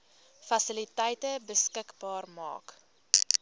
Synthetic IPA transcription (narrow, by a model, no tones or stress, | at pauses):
fɐsilitɛjtəbəskəkbɑːrmɑ̰ːk